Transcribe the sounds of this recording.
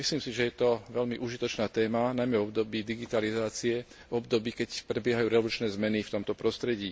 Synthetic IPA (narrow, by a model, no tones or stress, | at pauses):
misliːmsiʒɛjɛt̪ɔʋɛlmiʔuʒit̪ɔt͡ʃnaːt̪ɛːmanajmɛvɔb̚d̪ɔbiːd̪iɡit̪alizaːt͡siɛ | vɔbd̪ɔbiːkɛcpɾɛbɪɛɦajuːɾɛɔlut͡ʃnɛːzmɛnift̪ɔmt̪ɔpɾɔst̪ɾɛɟiː